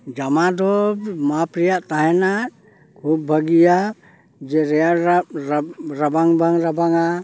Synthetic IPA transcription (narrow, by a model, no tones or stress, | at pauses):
d͡ʒamad̪ɔmapɾijaʔt̪aɦɛna | kʰub̚ːʱəɡija | d͡ʒɛɾɛaɾɾɾabaŋbaŋɾabaŋa